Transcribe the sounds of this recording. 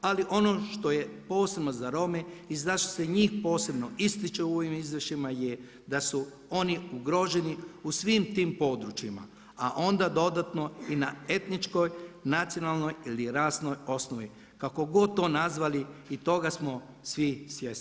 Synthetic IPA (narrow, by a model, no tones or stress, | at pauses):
aliʔo̞no̞ʃt̪o̞jepo̞ːsebnozaɾo̞meizaʃt̪o̥seɲiːxpo̞ːse̞bnoist̪it͡ʃeuoʋimizʋrʃimaje | d̪asu | o̞niuɡɾo̞ːʒe̞niusʋiːmt̪iːmpo̞d̪ɾut͡ʃima̰ | aʔo̞nd̪ad̪o̞d̪at̪no̞inae̞t̪nit͡ʃko̞jnat̪sijo̞nalˠno̞jiliɾaːsno̞jo̞snoʋi | kako̞ɡo̞d̪̚t̪o̞ːnazʋaliit̪o̞ɡasmo̞ | sʋisʋjes